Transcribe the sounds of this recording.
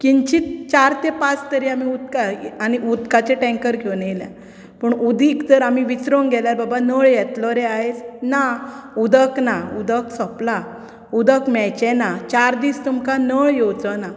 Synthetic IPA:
kiɲt͡ɕit̪̚t͡ɕaɾt̪epat͡st̪əɾiamiud̪kaañiʔud̪kat͡ɕeʈɛ̃ŋkəɾkonelɛ̰ | pəɳud̪ʱikd͡z̪əɾamiʋit͡sɾoŋɡɛljaɾbabanəɭjɛt̪lɔɾeaɦet͡snaud̪əknaud̪əksɔpla | ud̪əkmɛjt͡ɕɛnat͡ɕaɾd̪iːst̪umkanəɭjod͡zəna

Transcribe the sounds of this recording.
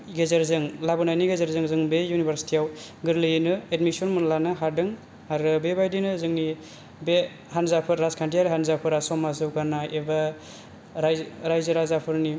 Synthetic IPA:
ɡezaɾzɯŋlabɯnajniɡezaɾzɯŋzɯŋbejunibʱaɾsi̥tijawɡɯɾlɯjinɯedmisɔnmunlanɯɦaɾdɯŋ | aɾɯbebajdinɯzɯŋni | be | hanzapʰɯɾɾazkʰantiaɾɯɦanzapʰɯɾasɔmazɯwɡanaʔeba | ɾajɾajzɯɾazapʰɯɾni

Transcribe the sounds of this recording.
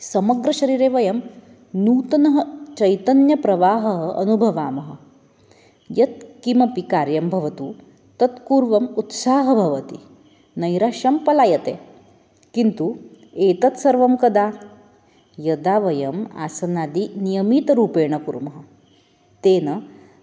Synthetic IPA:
sɐmɐɡɾɐʃɐɾiːɾeːʋɐjɐm | nuːt̪ɐnɐɦɐt͡ʃɐjt̪ɐnjɐpɾɐʋaːɦɐɦɐʔɐ̰nubʱɐʋaːmɐɦɐ̆ | jɐt̪̚kimɐpikaːɾjɐmbʱɐʋɐt̪u | t̪ɐt̪kuːɾʋɐmut̪saːɦɐbʱɐʋɐt̪i | nɐjɾaːʂɐmpɐlaːjɐt̪eː | kint̪u | eːt̪ɐt̪sɐɾʋɐmkɐd̪aː | jɐd̪aːʋɐjɐma̰ːsɐnaːd̪inijɐmiːt̪ɐɾuːpeːɳɐkuɾmɐɦɐ | t̪eːnɐ

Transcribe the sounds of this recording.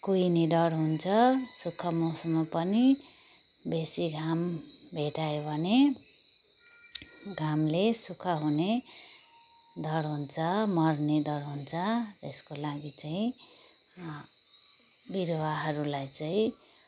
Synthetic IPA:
kujned̪ʌɽɦunt͡sʰʌsukʰʌmosʌmpʌni | besiɡʱambʱeʈajobʱʌne | ɡʱamlesukʰʌɦune | d̪ʱʌɽɦunt͡sʰʌmʌrned̪ʌɽɦunt͡sʰʌt̪eskolaɡit͡saĩ | biɾwaɦʌɾulajt͡saĩ

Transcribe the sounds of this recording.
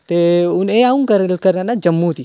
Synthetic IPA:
t̪euneaũnkɐɾlkɐɾanad͡ʒɐmːut̪i

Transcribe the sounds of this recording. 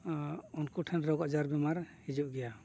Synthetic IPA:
ɔnkuʈʰɛnɾɔɡad͡ʒaɾbɛmaɾhid͡ʒɔʔɡɛja

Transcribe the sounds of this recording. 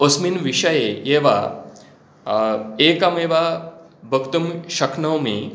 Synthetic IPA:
osminʋiʂɐjejeʋa̰ | eːkameːʋa | bʱəkt̪umʃɐkʰnɐwmḛ

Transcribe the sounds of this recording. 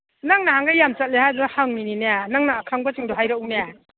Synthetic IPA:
naŋnahaŋɡajamt͡ʃat̚lehajbaɡahaŋnininajanaŋnaːkʰaŋbat͡ʃɯŋdɔɦajɾawneja

